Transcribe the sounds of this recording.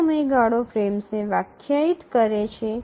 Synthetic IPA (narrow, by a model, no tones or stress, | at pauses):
məjɡaɽofɾemsneʋakʰjait̪kəɾet͡ʃʰe